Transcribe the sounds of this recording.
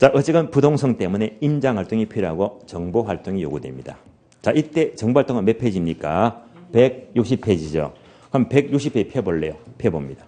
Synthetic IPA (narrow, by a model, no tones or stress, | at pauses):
t͡ɕaʔʌt͡ɕ͈eɡɯnpudoŋsʰʌŋt͈e̞mune̞ind͡ʑaŋhaɭt͈oŋipʰiɾɦaɡot͡ɕʌŋboɦaɭt͈oŋijo̰ɡudwe̞̰mɲid̥a̰ | t͡ɕaʔit͈e̞t͡ɕʌŋbohaɭt͈oŋɯnme̞pʰed͡ʑimɲik͈ape̞ɡ̚juk̚ɕ̬͈ʰipʰːed͡ʑid͡ʑo̰ | kɯʌmpe̞ɡ̚juk̚ɕʰipʰːeipʰeboɭːe̞jopʰebomɲid̥a